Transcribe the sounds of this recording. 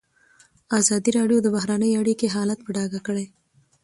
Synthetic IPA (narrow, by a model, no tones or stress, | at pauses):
ɑzɑd̪iɾɑɖjod̪əbaɦɾanəjaɽikeɦɑlat̪̚pəɖɑɡakəɽe